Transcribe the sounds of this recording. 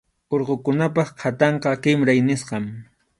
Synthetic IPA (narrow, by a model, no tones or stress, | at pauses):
oɾqokʊnap̬ɑχqʰat̪ɑɴqɑqɪmɾajnɪsqɑm